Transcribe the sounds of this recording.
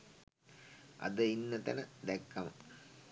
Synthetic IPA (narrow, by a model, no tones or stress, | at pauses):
ɐ̰d̪əinːɐt̪ɐnəd̪ekːɐmɐ̰